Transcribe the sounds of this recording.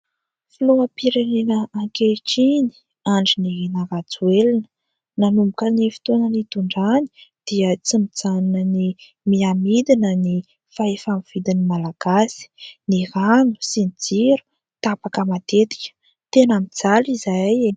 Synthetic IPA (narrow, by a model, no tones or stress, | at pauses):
filuəpiɾenenəːŋkeʈ͡ʂini̥ | aɳɖ͡ʐininaɾat͡suelinə | nanumbukənifi̥t̪onənit̪uɳɖ͡ʐani̥d̪̥iət͡simid͡zaninəni | miamid̪inəni | faefamiv̥id̪inimalaɡ̥asi̥niɾanu̥sinid͡ziɾu̥ | t̪apakəmat̪et̪i̥kʲə̥ | t̪enamid͡zalizaj